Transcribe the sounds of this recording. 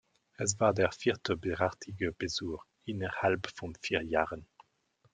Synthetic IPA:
ɛs̬vaːʁdeːʁfiːʁtəbeʁaʁtʰiɡəb̥ezuːχ | inəʁhalpfɔnfiːʁjaːʁən

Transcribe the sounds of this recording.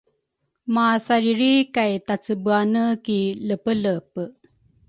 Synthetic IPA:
masaɾiɾikajt̪at͡səbuanəkiləpələp

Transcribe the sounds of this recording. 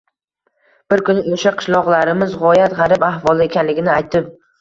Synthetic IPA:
b̥ɪɾkʊnɪoʃaqʰɨ̥ʃlˠɒʁlˠaɾɪmɪzʁɒjat̪ʁɑɾɪpahvɒlˠɪekʲʰanlɪɡʲɪnɪajt̪ʰɪp̚

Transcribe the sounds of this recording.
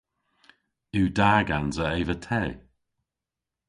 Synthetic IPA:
ʉːdaːɡanzəevətʰɛː

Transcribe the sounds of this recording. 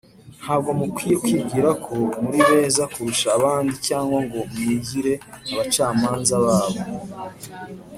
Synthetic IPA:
n̥haːb̚ɡo̞mukwiːjekwiːɟiɾakʰo̞muɾiβe̞ːzakuɾuʃaːβaːndicaːŋɡwaŋɡo̞mwiːɟiɾe̞aβat͡ʃaːmaːnzaβaːβo̞

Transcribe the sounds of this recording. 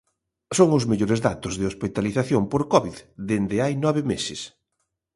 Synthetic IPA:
soŋʊzmeʎoɾɪzðat̪ʊzðɪospit̪aliθaθjompoɾkɔβiððend̪ɪajnɔβɪmesɪs

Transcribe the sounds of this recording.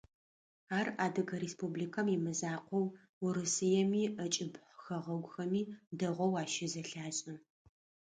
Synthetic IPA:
aːraːdɐɡɐɾespublikʰɐmjimɨzaːqʷʰɔw | ʊɾɨsɨjɛmiːɐt͡ʃʼɪbħʷxɐʁɐɡʷʊxɐmiːdɐʁʷɔwaːʃɪzɐɬaːɕʼɪ

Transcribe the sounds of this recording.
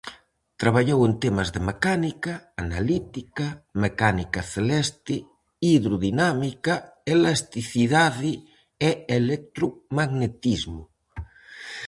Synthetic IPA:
t̪ɾaβaʎowent̪emazðemekanikaːnalit̪ikamekanikaθelɛst̪ɪ | iðɾoðinamikaelast̪iθiðaði | eelek̚t̪ɾumaɣnet̪izmʊ

